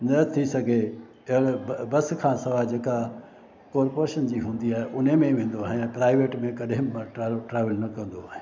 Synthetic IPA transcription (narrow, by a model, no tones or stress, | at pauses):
nɐt̪ʰisɐɡʱe | bɐskʰãːsɐʋad͡ʑeːka | koːɾpoːɾʃənd͡ʑiːɦũːn̆d̪iaːɦeʔʊnɦemẽʋẽːnd̪oaːɦẽpɾaːɪʋeːʈmẽkɐɗɦɪ̃ʈːʈɾaːʋɪlnɐkɐ̃nd̪oaːɦẽ